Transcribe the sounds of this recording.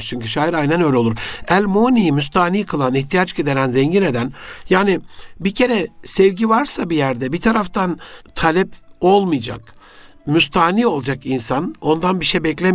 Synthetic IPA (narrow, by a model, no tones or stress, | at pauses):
t͡ʃʰyɲcyʃaːjiɾajnɛnø̞jlʲeo̞lˠuɾælʲmonijimyst̪ʰaːniːkʰɯlˠaniçt̪ʰijat͡ʃɟid̪e̞ɾænzɛɲɟine̞d̪ænjaːnɪbicʰe̞ɾɛsɛvɟivaɾsabijæɾd̪ɛbit̪ʰaɾaft̪ʰant̪ʰalʲɛpo̞lˠmɯjd͡ʒa̰k | myst̪ʰaːniːo̞lˠad͡ʒakinsano̞nd̪anbiʃejbɛclʲem